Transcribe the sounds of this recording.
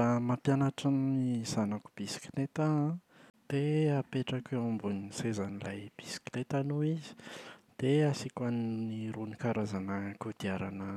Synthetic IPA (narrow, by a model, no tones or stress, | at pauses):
amapjanaʈ͡ʂannizanaku̥b̥isi̥kinet̪a | d̪̥eapeʈ͡ʂakeambunisezanilajb̥isi̥kinet̪anuizi̥d̪̥easikaniniɾunikaɾazanakud̪̥iaɾanə